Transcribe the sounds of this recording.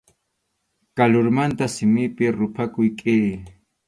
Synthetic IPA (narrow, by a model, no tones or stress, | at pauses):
kalʊɾmant̪asɪmɪpɪɾʊpʰakʊjkʼɪː